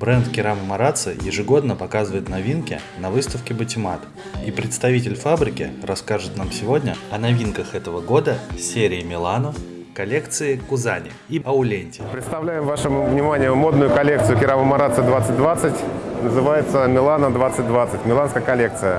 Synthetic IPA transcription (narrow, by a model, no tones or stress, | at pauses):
bɾɛnt̪kʲɪɾaməmɐɾat̪sɨ̰jɪ̰ʐɨɡo̞d̪nəpɐkazɨvəjɪt̪nɐvʲinkʲɪ | nɐvɨst̪əfkʲɪbətʲɪmat̪ | ipɾʲɪt̪st̪ɐvʲit̬ʲɪlʲfabɾʲɪkʲɪ̰rɐskaʐɨt̪namsʲɪvo̞dʲnʲə̰ɐnɐvʲinkəxɛt̪əvəɡo̞d̪əsʲeɾʲɪːmʲɪlˠanof | kɐlʲe̞kt̪sɨɪkʊzanʲɪ̰ | iɐʊlʲenʲtʲɪ̥pɾʲɪt̪st̪ɐvlʲæjɪmvaʂɨmvnʲɪmanʲɪjəmo̞d̪nʊjʊkɐlʲek̚t̪sɨjʊkʲɪɾaməmaɾat̪sɨd̪vat̪sɨt̚ʲd̪vat̪sɨtʲnəzɨvajɪt̪səmʲɪlˠanəd̪vat̪sɨt̚ʲd̪vat̪sɨtʲmʲɪlˠanskəjəkɐlʲek̚t̪sɨjə